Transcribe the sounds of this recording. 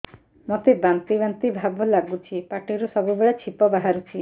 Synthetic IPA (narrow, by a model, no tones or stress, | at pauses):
mot̪ebant̪ibant̪ibʱabɔlaɡut͡ʃʰipaʈiɾusɔbubeɭat͡ʃʰipɔbaɦaɾut͡ʃʰi